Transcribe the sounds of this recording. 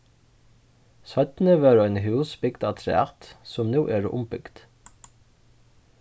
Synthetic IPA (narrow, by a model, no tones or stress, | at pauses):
sœt̪n̩əʋøːɾænhʉːsbʏɡd̪ɑt̪ʰɾɛ̰ɑ̰t̪sɔmnuːʔeːɾ̰ʔʊ̰mbʏɡ̥d̪̥